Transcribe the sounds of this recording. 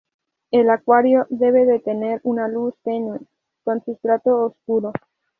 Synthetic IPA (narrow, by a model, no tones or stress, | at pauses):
elakwaɾjo̞ðe̞β̞e̞ðe̞t̪ene̞ɾunalust̪eɲwe | konsust̪ɾat̪oːskuɾo